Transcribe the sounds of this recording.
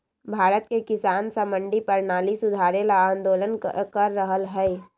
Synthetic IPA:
bʱaːɾət̪̚kekɪsaːnsəmə̃ɳɖipəɾnaːlisʊd̪ʱaːɾelaaːnd̪oːlənkəɾːəɦəlɦɛɪ

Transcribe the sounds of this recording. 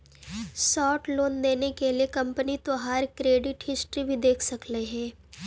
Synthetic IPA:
sɔːʈloːnd̪eːnekeliekɐ̃mpənit̪oɦaːɾkɾeːɖɪʈɦɪsʈɾibʱid̪eːkʰsɐkleɦɛ̃ː

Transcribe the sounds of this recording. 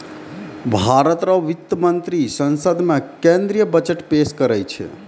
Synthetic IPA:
bʱaɾət̪ɾəʋit̪ːəmənt̪ɾisə̃nsəd̪ʱmekẽnd̪ɾijəbət͡ʃəʈpeskəɾɛjt͡ʃʰɛ̰

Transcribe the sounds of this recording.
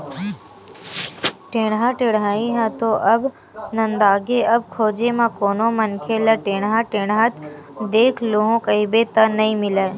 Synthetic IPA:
ʈeːɽ̃ɦãʈeɽɦaːiɦãt̪oʔɐb | nɐ̃nd̪aːɡeɐb̚kʰoːd͡ʒemãkoːnomɐnkʰelɐʈeːɽ̃ɦãːʈeːɽɦat̪d̪eːkʰloɦõkɐibet̪ɐnɐĩmɪlaːe

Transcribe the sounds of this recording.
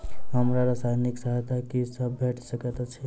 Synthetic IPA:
ɦəmɾaɾəsajniksəɦt̪akisəbːʱeʈʰsəkət̪t͡ʃʰi

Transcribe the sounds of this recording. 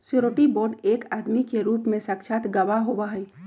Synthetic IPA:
sɾoːʈiboːɾɖeːkaːd̪mikeɾuːpmẽsakʃʰat̪ɡɐʋaɦoːʋaɦɛː

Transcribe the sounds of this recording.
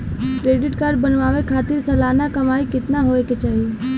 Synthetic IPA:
kɾeːɖɪʈkaːɾɖ̚bɐnʋaːʋekʰaːt̪ɪɾsɐlaːnakɐmaːikɪt̪naɦoːeket͡ʃaːɦie

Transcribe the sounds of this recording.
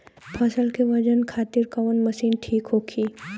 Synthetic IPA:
pʰɐsəlkeʋɐd͡ʒənkʰaːt̪ɪɾkɐʋənmɐʃiːnʈʰiːkɦoːkʰiː

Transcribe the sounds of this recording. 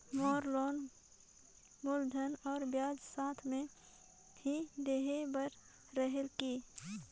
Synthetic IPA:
mɔːɾloːn | mʊld̪ʱənɔːɾbjaːd͡ʒsaːt̪ʰmẽ | bid̪eːɦebəɾː | əɦelki

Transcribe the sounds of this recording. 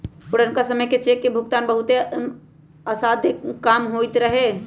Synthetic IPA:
pʊɽənkasəməjket͡ʃeːkːebʱʊkt̪aːnbəɦʊt̪e | asaːd̪ʱekːaːmɦojt̪ɾəɦe

